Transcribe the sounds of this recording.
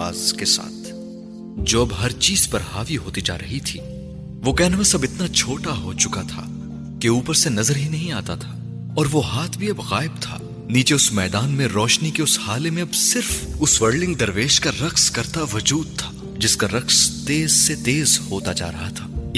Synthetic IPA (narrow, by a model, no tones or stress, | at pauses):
a̰ːzkesa̰ːt̪ʰ | d͡ʒoːɐbɦɐɾt͡ʃiːz̥pɐɾhaːʋiɦoːt̪id͡ʒa̰ːɾɐɦit̪ʰiː | ʋokɛɦnmẽsɐbɪt̪nat͡ʃʰoːʈaɦoːt͡ʃʊkat̪ʰa̰ː | keuːpəɾsenɐzəɾɦinɐɦĩaːt̪at̪ʰaː | ɔːɾʋoɦaːt̪ʰbʱiɐbɣaːɪb̚t̪ʰa̰ː | niːt͡ʃeʊsmɛːd̪aːnmẽɾɔːʃnikeʊshaːlemẽɐbsɪɾfʊsʋəɾɖɪ̃ŋɡd̪ɐɾʋeːʃkaɾɐkskɐɾt̪aʋʊd͡ʒuːd̪̚t̪ʰḁː | d͡ʒɪskaɾɐqst̪eːzset̪eːzhoːt̪ad͡ʒa̰ːɾɐ̰ɦat̪ʰaː